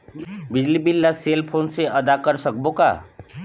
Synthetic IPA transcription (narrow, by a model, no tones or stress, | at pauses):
bɪd͡ʒlibɪlːaseːlpʰoːnseʔɐd̪akəɾsək̚boka̰ː